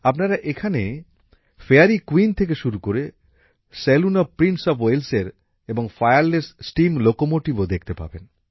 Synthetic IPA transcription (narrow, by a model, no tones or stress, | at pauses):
apnaɾaʔekʰane | feaɾikwint̪ʰek̬eʃuɾukoɾe | selunopɾinʈsɔfwelseɾ | eboŋfajaɾlessʈimlokomoʈibod̪ekʰt̪epa̰ben